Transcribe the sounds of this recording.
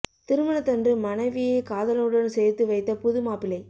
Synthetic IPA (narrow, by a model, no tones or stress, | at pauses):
t̪ɪɾɯmɐɳɐt̪ɐndrɯmɐnɐɪʋɪjekaːðɐlɯɽɐnsɛjɾt̪ːɯʋɐɪt̪ːɐpʊðɯmaːpɪlɐɪ